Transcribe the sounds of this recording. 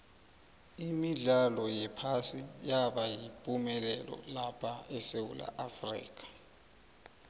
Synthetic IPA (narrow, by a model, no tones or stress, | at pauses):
imiɮalɔjɛpʰasijaɓajipʼumɛlɛlɔ̰lapʰaɛsewula̰ʔafrḭːk̬ʼḁ